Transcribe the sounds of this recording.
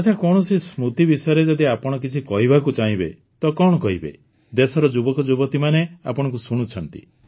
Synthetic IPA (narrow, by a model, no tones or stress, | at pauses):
att͡ʃʰakɔɽ̃ɔsismut̪ibisɔjɔɾed͡ʒɔd̪iapɔɽ̃ɔkit͡ʃʰikɔɦibakut͡ʃaɦĩbḛ | t̪ɔkɔɽ̃ɔkɔɦibḛ | d̪esɔɾɔd͡ʒubɔkɔd͡ʒubɔt̪imanea̰pɔɽ̃ɔŋkusuɽ̃ut͡ʃʰɔnt̪ḭ